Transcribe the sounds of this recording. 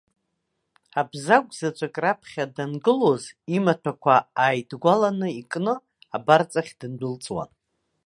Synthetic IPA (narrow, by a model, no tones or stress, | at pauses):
abzaɡʷʼzat͡ʃʷʰʼakʼrapʰχʲadanɡɨlo̞zimatʰakʷʰaaːjdɡʷalanɨikʼnɨ | abart͡sʼaχʲd̥ɨndʷɨlt͡sʼwa̰n